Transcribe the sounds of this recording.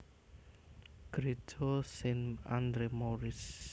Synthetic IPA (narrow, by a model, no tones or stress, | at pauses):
ɡ̥ɾet̪ʰosenand̪ɾemoɾɪs